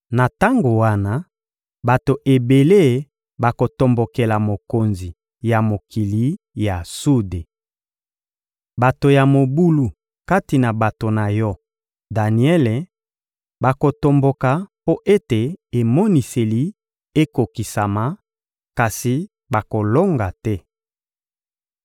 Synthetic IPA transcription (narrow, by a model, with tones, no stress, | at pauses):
na˨ta˦ŋɡo˨wa˦na˦ | ba˨to˨ʔe˨be˨le˦˨˦ | ba˨ko˨to˨mbo˨ke˨la˨mo˨ko˨nzi˨ | ja˨mo˨kʰi˨li˨˦ | ja˨su˦de˨ | ba˨to˨ja˨mo˨bu˦lu˨ | ka˦ti˨na˨ba˨to˨na˨jɔ˦ | da˨ni˨ɛ˦le˨ | ba˨ko˨to˨mbo˨ka˨po˦ʔe˦te˨e˨mɔ˦ni˨se˨li˨˦ | e˦ko˨ki˨sa˨ma˨˦ | ka˨si˨ | ba˨ko˨lo˦ŋɡa˨tɛ˦